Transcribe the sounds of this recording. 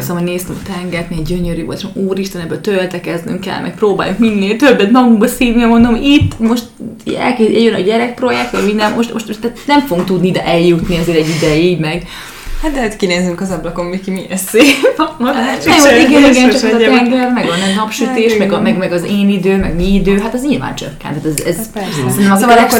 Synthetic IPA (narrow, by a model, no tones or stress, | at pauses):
sɒmɔneːst̪ɛmɒt̪ɛŋɡɛrt̪mɛɡɛɟøɲøɾyːo̰lt̪ʃɛmuːɾiʃt̪ɛnɛbːøːlt̪ølt̪ɛkɛzny̰ŋkɛ̰lmʔɛ̰k̚proːba̰ːjuŋkminːeːlt̪ø̞bːɛt̪nɒɡuŋɡbɛsiːnnimo̞nd̪omit̪ːmo̞ʃt̪ɛ̰lkeːɛjønɒ̰ɟɛɾɛk̚pro̞jɛk̚t̪ʋɒɟmind̪ɛnmoʃt̪moʃt̪t̪ːɛt̪nɛɱfoɡuŋk̚t̪ud̪nid̪ɛʔɛljut̪niɛzeːɾɛɟːid̪ɛjiːɟmɛɡ | hat̪d̪ɛɛt̪kineːzyŋkɒzɒblɒkommikimiɛse | joiɡɛniɡɛnt͡ʃɒɛzɒt̪ɛŋɡɛrmɛɡɒnɛnɒpʃyt̪eːʃmɛɡɒmɛɡmɛɡɒzeːnid̪øːmɛɡmiid̪øːɦat̪ɛzɲilva̰ːnt͡ʃø̰kːɛ̰nt̪aːt̪ɛzɛzsɛɛnɛm